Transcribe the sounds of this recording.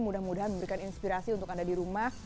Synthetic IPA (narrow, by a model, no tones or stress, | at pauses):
mudahmudaɦanməmbəɾikaninspiɾasiunt̪ʊkandadiɾumah